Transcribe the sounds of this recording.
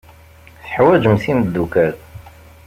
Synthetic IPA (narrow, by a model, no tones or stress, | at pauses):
θəħwæd͡ʒəmθiməd̪ːukæl